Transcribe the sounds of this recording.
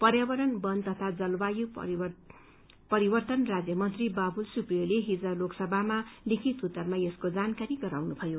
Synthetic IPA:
pʌrjabʌɾʌnbʌnd̪t̪ʌt̪ʰad͡zʌlbaju | pʌɾiwʌrt̪ʌnrad͡zjʌmʌnt̪ribabʱulsupjoleɦid͡zaloksʌbʱamalikʰit̪ut̪ːʌrmaeskod͡zankaɾiɡʌɾawnubʱʌjo

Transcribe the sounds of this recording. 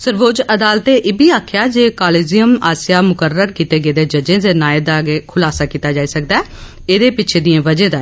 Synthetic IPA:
səɾʋoːd͡ʒəd̪aːlt̪eːʔɪːbiːaːkʰjaːd͡ʒeːkaːleːzijəma̰ːsɪjaːmʊkəɾəɾkiːt̪eːɡəeːd̪eːd͡ʒəd͡ʒẽːd̪eːnaːeːd̪aːɡeːkʰʊlaːsaːkiːt̪aːd͡ʒaːiːsək̚d̪aː | eːd̪eːpɪt͡ʃʰeːd̪iẽːʋəd͡ʒẽːd̪aː

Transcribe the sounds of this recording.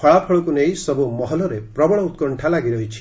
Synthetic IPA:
ɔɭapʰɔɭɔkunejsɔbumɔɦɔlɔɾepɾɔbɔɭ̃ɔut̪kɔɳʈʰalaɡiɾɔɦit͡ʃʰi̥

